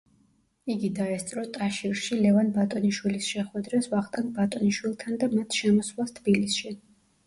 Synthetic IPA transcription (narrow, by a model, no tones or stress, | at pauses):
iɡid̪aɛst̪sʼɾɔt̪ʼaʃiɾʃilɛvanbat̪ʼɔniʃwilisʃɛχwɛd̪ɾɛsvaχt̪ʼand̪bat̪ʼɔniʃwilˠt̪ʰand̪amat̪ʰʃɛmɔswlˠast̪ʰbilisʃi